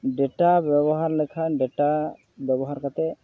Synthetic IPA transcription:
ɖɛʈabjɛbɔɦaɾlɛkʰaɖeʈa | bjɛbɔɦaɾkat̪ɛ

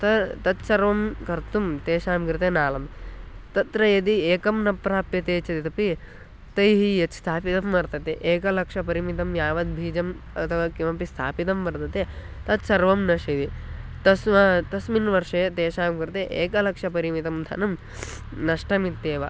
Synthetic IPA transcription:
t̪ɐt̪ɐt̪sɐɾʋɐmkɐɾt̪umt̪eːʂaːmkɾit̪enaːlɐmt̪ɐt̪ɾɐjɐd̪ieːkɐmnɐpːɾaːpjɐt̪eːt͡ʃɐt̪it̪ɐpi | t̪ɐjɦijɐt͡ʃst̪ʰaːpit̪ɐmːɐɾt̪ɐt̪eʔeːkɐlɐkʂɐpɐɾimit̪ɐmjaːʋɐd̪̚bʱiːd͡ʒɐm | ɐ̰t̪ʰɐʋaːkiʋɐpist̪ʰa̰ːpit̪ɐmʋɐɾt̪ɐt̪e | t̪ɐt̪sɐɾʋɐmnɐʂiʋit̪ɐsmɐt̪ɐsminʋɐɾʂet̪eːʂaːmkɾit̪eʔeːkɐlɐkʂɐpɐɾimit̪ɐmd̪ʰʱɐ̰nɐm | nɐʂʈɐmit̪ːeːʋɐ̰

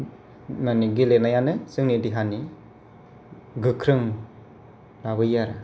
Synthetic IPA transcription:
maniɡilenajanɯsɯŋnidiɦani | ɡɯkʰɾɯŋ | laβɯjaɾa

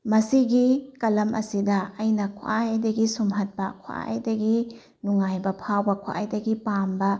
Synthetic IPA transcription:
mɐsiɡikɐlɐmʔɐ̰sidɐɐjnɐkʰa̰ʔajdɐɡisumɦɐt̚bɐkʰwa̰ʔa̰jdɐɡi | nuŋajbɐpʰawbɐkʰa̰ʔajdɐɡipambɐ

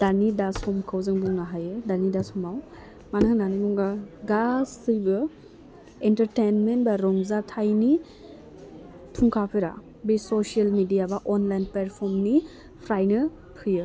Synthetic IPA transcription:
d̥anidasɔmkʰawzɯŋbuŋnaɦajedanidasɔmaw | manɯŋdanibuŋɡaɡastʰɯbɯ | entəɾtenmenbaɾɔŋzatʰajni | tʰuŋkʰapʰɯɾa̰ | besɔsialmidijabaʔɔnlajnpeɾpʰɔɾmni | pʰɾajnɯ | pʰɯjɯ

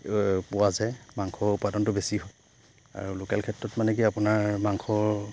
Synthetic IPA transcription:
pʊwazɛmaŋkʰɔɹupːadɔntʊbesiɦɔ | a̰ɹulokɛ̰lkʰɛtɹɔtmanɛkiapunaɹmaŋkʰɔɹ

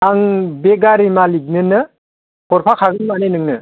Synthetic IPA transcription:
aŋbeɡaɾimalik̚nɯnɯ | pʰɔɾpʰakʰaɡɯnmanenɯŋnɯ

